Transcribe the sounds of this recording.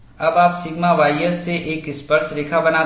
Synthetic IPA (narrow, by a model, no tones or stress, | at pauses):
ɐbaːpsɪɡmaʋaːjəsːeʔeːkɪspəɾt͡ʃɾeːkʰabɐnaː